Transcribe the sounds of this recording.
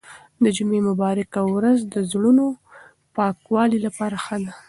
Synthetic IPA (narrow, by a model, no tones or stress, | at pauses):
d̪əd͡ʒumemʊbɑɾɪkawɾazd̪əzɽuno | pɑkwɑlilapɑɾaxəd̪a